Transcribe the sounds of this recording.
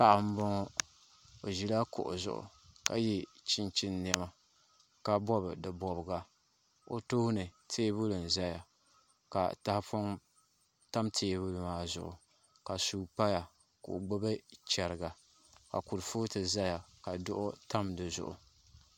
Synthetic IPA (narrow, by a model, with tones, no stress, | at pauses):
pa˦ʔa˨m̩˦bɔ˦ŋɔ˦ | o˨ʒi˨la˦kʊ̰˨ʔʊ̰˨zʊ̰˨ʔʊ̰˨ | ka˨ji˦t͡ʃi˦nt͡ʃi˦nːi˦ɛ˦ma˨ | ka˦bɔ˦bɨ˨dɨ˨bɔ˨bɨ˨ɡa˨ | o˦toː˦hnɨ˨tʰeː˦bu˦lɨ˨n̩˨za˦ja˨ | ka̰˨ta˦hpo˦ŋ | ta˦mtʰeː˦bu˦lɨ˨maː˦zʊ̰˨ʔʊ̰˨ | ka˨suː˨k͡pa˦ja˨ | kʊ̰˨ʔɡ͡bo˦ba˦t͡ʃɛ˨ɾɨ˨ɡa˨ | ka̰˨ku˨ɾfu˦tɨ˨za˦ja˨ka˨dʊ˦ʔʊ˦ta˦mdɨ˨zʊ̰˨ʔʊ̰˨